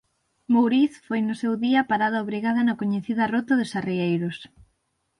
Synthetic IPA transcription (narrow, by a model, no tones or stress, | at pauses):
mowɾiθfojnʊsewðiɐpaɾaðɐoβɾiɣaðɐnɐkoɲeθiðɐrot̪ʊðɪsariejɾʊs